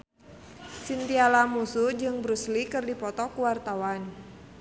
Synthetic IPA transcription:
sint̪ialamusud͡ʒɨŋbɾuslikɨrdipɔt̪ɔkuwart̪awan

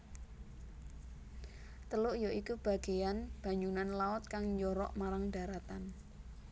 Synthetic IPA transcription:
t̪əlʊʔjoʔikub̥a̤ɡ̥e̤janb̥a̤ɲd͡ʒunanlaɔt̪̚kaŋɲd͡ʒɔɾɔʔmaɾaŋɖ̥a̤ɾat̪an

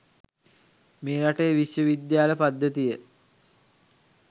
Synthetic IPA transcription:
meːɾaʈəjʋiʃjəʋid̪jaːləpad̪ːət̪ijə

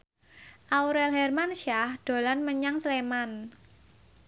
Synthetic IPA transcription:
ʔawuɾɛlɦɛrmanʃahd̥o̤lanməɲaŋsleman

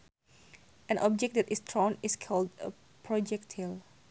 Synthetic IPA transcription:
ʔɛ̃nʔɔb̚d͡ʒɛk̚dɛtistʰɹɔ̃niskʰɔldə | pʰɹɔd͡ʒɛk̚tʰil

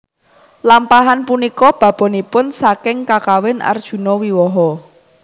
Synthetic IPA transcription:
lampaɦanpunikɔb̥ä̤b̥ɔ̤nipʊnsakɪŋkakawɪna̰rd̥ʒ̥ṳnɔwiwɔɦɔ

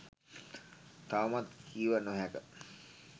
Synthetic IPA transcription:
t̪aumat̪kʰiːʋanoɦækə

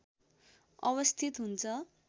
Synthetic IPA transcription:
ʌβʌst̪ʰit̪ɦunt͡sʰʌ

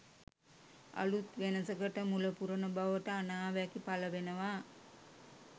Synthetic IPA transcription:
a̰lut̪ʋenəsəkəʈəmuləpuɾənəbaʋəʈəanaːʋækipaləʋenəʋaː

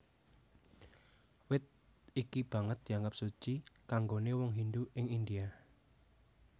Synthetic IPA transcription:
wɪt̪̚ikib̥a̤ŋət̪̚d̪̥i̤aŋɡap̚sut͡ʃikaŋɡonewɔŋɦind̪uʔɪŋind̪ia

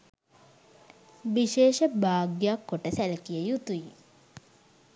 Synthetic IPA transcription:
ʋiʃeːʃəbaːɡjakːoʈəsæləkijəjut̪uji

